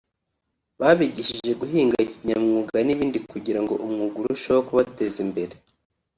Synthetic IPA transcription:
βaβiɟiʃiʒe̞ɡuɦiːŋɡaiciɲamŋuːɡaniβiːndikuɟiɾaŋɡo̞̰ʔumŋuɡuɾuʃookuβate̞zimbe̞ɾe

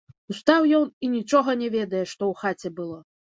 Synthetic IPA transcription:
ust̪awjɔninʲit͡ʂɔɣɐnʲɛvʲɛd̪ɐjɛʂt̪ɔwxat͡sʲɛbɨlˠɔ

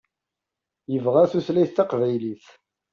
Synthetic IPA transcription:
jəvʁaθuθlæjθt̪ːɑqvæjliθ

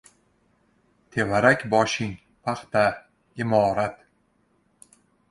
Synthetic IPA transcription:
t̪ʰe̞vaɾakʲbɒʃɪŋ | pʰaχt̪a | ɪmɒːɾat̪

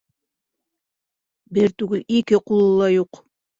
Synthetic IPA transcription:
bɪɾt̪ʉɡʉlikɪqulˠulːˠɑjuq

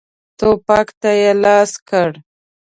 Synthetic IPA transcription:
t̪opɑkt̪ajelɑskəɽ

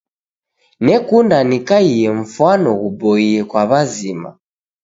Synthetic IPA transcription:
nɛkundanikaijɛɱ̩fanɔɣubɔiɛkwaβazima̰

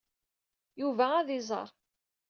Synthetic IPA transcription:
juvææðɪzˤə̰ɑ̰ɾˤ

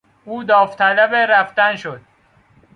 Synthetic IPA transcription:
uːd̪ɒːft̪ʰælæbeɾæft̪ænʃod̪̥̚

